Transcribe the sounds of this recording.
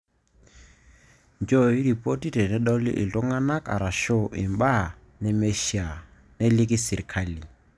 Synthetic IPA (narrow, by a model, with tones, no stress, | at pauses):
nd͡ʒɔ˦˨i˦ɾi˨po˦ti˦tɛ˨nɛ˦ɗɔ˦lḭ˦ʔi˨tɔ˦ŋa˦na˦kʼa̰˨ɾa˨ʃɔ˦ʔḭ˨mba˦ | nɛ˦mɛ˦ʃi˨a˨ | nɛ˦li˦ki˦si˨ɾi˨kʰa˦˨li˨